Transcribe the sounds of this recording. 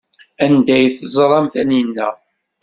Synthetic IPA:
ænd̪æjθəzˤɾˤɑmθæninːæ̰

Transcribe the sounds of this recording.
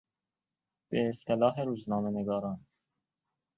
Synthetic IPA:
b̥eːst̪elɑːɦeɾuːznɑːmeneɡɑːɾɑːn

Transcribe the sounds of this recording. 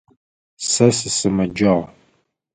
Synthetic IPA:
sɐsɨsɨmɐd͡ʒɐʁ

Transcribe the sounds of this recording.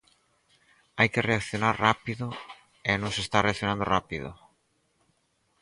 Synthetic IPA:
ajkereakθjonaɾrapiðo | enõŋsest̪areakθjonãnd̪orapiðo̰

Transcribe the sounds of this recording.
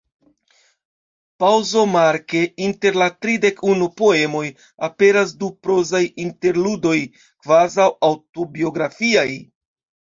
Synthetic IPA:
pawzo̞maɾke̞inte̞ɾlatɾide̞kʰunupo̞e̞mo̞j | ape̞ɾasdupɾo̞zajinte̞ɾludo̞j | kvazawawto̞bio̞ɡɾafiaj

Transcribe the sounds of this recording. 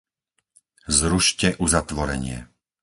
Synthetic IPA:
zɾuʃcɛʔuzat̪ʋɔɾɛ̰ɲɪɛ̰

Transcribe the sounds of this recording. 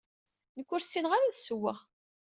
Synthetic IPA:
nəkʷːʊɾsːinʁaɾaðsəwːə̰ʁ

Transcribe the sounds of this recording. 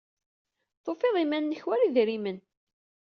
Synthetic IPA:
θofeðˤimænːəçwæɾiðɾimən

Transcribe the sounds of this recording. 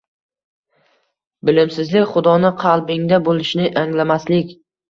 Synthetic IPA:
bɪlɪmsɪzlɪkʲχʊd̪ɒnɪqʰɑlˠbɪŋd̪abolɪʃnɪʔaŋlamaslɪkʲ

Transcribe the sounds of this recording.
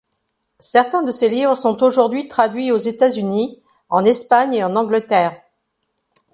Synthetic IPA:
sɛʁt̪ɛ̃d̪əselivʁəsɔ̃t̪oʒuʁd̪ɥit̪χad̪ɥiozet̪azyni | ɑ̃nɛspaɲeɑ̃nɑ̃ɡlət̪ɛːʁ

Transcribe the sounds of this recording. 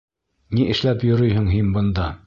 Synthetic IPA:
niʔɘ̆ʃlæpjɵ̆ɾɵjɦɘŋɦinbɤ̆nd̪ɑ

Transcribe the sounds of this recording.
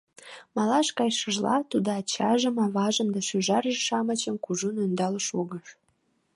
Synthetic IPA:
mɑlɑʃkɑjʃəʒlɑ̰t̪ud̪oɑt͡ɕɑʒəmɑβɑʒəmd̪ɑʃøʒɑrʒeʃɑmət͡ɕə̆mkuʒunønd̪ɑləʃoɣəʃ

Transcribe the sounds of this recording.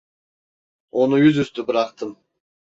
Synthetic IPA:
onujyzyst̪ybɪɾɑqt̪ɯm

